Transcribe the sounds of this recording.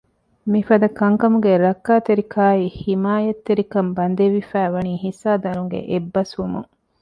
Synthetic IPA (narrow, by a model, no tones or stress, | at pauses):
mifɐd̪ɐkɐŋkɐmuɡeɾɐkːaːt̪eɾikʰaːiːhimaːjɐt̪ːeɾikɐmbɐnd̪eʋifæːʋɐniːhisaːd̪ɐɾuŋɡḛʔebːɐsʋumṵŋ